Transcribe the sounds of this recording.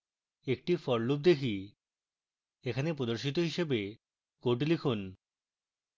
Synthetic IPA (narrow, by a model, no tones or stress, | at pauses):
ek̚ʈifɔɾlup̚d̪ekʰi | ekʰanepɾod̪oɾʃit̪oɦiʃebe | koʈ̬likʰun